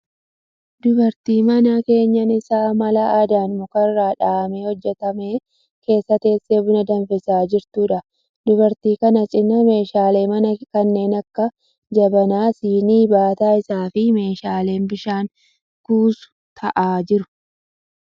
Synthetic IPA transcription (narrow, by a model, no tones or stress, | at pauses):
d̪ʊbɐɾt̪iːmɐnɐke̞ːɲːɐnɪsaːmɐlɐad̪aːnmʊkɐrːaːᶑaːme̞ːhɔd͡ʒːɛt̪ɐme̞ː | ke̞ːsːɐt̪e̞ːsːe̞ːbʊnɐd̪ɐnfɪsaːd͡ʒɪɾt̪uːᶑɐ | d̪ʊbɐɾt̪iːkɐnɐt͡ʃʼɪnːɐme̞ːʃaːle̞ːmɐnɐkɐnːe̞ːnɐkːɐ | d͡ʒɐbɐnaːsiːniːbaːt̪aːɪsaːfɪme̞ːʃaːle̞ːnbɪʃaːŋ | kuːsʊ̥ | t̪ʰɐʔaːd͡ʒɪɾʊ̥